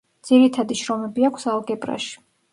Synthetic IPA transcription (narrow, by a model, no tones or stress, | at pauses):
d̪z̥iɾit̪ʰad̪iʃɾɔmɛbiakʰsalˠɡɛpʼɾa̰ʃi̥